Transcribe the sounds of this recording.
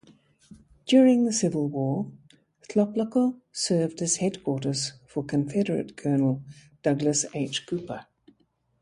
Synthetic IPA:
d̥jɔːɹɪ̃ŋðəsɪvəlˠwɔː | θʰlɑpləkəsɜːvd̥ɨz̥hɛd̚kʰw̥ɔˑɾəz̥fəkʰə̃ɱfɛɾəɹə̰tkʰɜːnəl̩ˠ | d̥ʌɡləseɪt͡ʃkʰʉˑpə

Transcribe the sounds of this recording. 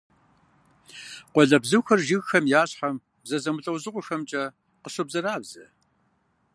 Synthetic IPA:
qʷɔɮɐbzɨwxɐrʒɪɣxɐmjaːɕħam | bzɐzɐmʊɬʼɐwzɨqʷʊxɐmt͡ʃʼɐ | qəɕɐbzɐraːbz̥ɐ

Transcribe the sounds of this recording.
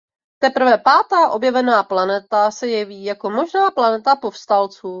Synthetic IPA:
t̪ɛpɾ̩vɛpaːt̪aːʔo̞bjɛvɛnaːplanɛt̪asɛjɛviːjako̞mo̞ʒnaːplanɛt̪apo̞fst̪alt͡suː

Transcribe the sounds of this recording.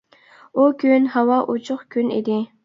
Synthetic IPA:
ukʲʰynhɑwɑʔut͡ʃʰʊχkʲʰynḭd̪ɪ

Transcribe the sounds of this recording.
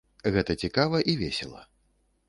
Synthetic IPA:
ɣɛt̪ɐt͡sʲikavɐʔivʲesʲɛ̰lˠɐ̰

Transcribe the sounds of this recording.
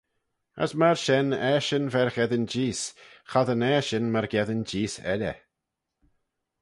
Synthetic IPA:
ə̰smaɹʃɛnɛːʃənvɛɹxɛðənd͡ʒiːsxaðənɛːʃɪnmaɹɡɛðənd͡ʒiːsɛ̰lʲə̰

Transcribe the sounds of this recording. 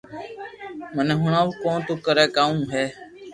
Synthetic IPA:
məneːɦʊɳãːʋkõːt̪uːkəɾeːkaːũːɦeː

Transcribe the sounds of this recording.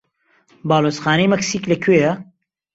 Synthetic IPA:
baːloːsxaːnɐjmɐksiːklɐkʰweːjɐ

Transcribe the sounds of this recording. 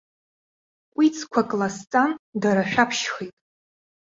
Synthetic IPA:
wit͡sʰkʷʰakʼlast͡sʼandaɾaʃᶣapʰʃχejtʼ

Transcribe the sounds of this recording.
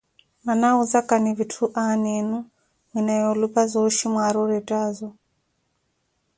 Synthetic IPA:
manauzakanivitʰuʔanenu | minajolupazoʃimwaɾuɾɛtazɔ

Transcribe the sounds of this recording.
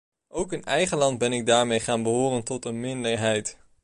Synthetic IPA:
ʔowkənɛjχəlɑnd̚bɛnɪɡ̚daːɹmejχaːnbəɦʊːrəntɔtənmɪndəɹɦɛjt

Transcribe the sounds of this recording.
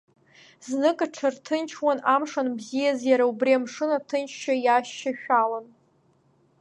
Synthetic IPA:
znɨkʼaʈ͡ʂʰartʰɨnt͡ʃʰwanamʂanbzijazjaɾaubriamʂɨnatʰɨnt͡ʃʰʃajaʃːaʃᶣalan

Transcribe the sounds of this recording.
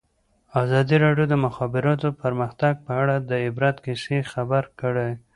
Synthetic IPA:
azɑd̪iɾɑɖjod̪əmʊxɑbɪɾɑt̪opəɾməxt̪aɡ̚pəaɽad̪əɪbɾat̪kisexabaɾkəɽe

